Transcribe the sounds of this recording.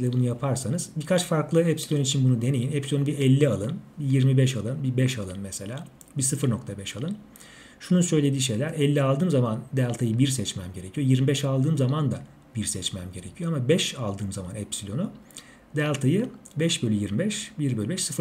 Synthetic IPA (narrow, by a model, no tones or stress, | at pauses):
lʲɛbunujapʰaɾsanɯz̥bikʰat͡ʃfaɾklˠɯɛpsilʲo̞nit͡ʃʰinbunud̪e̞ne̞jinɛpsilʲonubiɛlʲːialˠɯnbijiɾmibɛʃalˠɯnbibɛʃalˠɯnmɛse̞lʲaː | bisɯfɯɾno̞kt̪ʰabɛʃalˠɯn | ʃununsø̞jlʲe̞d̪iːʃ̬e̞jlʲæɾɛlʲːialˠd̪ɯːmzamand̪ælʲˠt̪ʰajɯbiɾsɛt͡ʃmæmɟe̞ɾecʰijo̞jiɾmibɛʃalˠd̪ɯːmzamand̪a | b̥iɾsɛt͡ʃmæmɟe̞ɾecʰijoamabɛʃalˠd̪ɯːmzamanɛpsilʲo̞nʊ | d̪ælʲˠt̪ʰajɯbɛʃbølʲyjiɾmibɛʃbiɾbø̞lʲybɛʃsɯf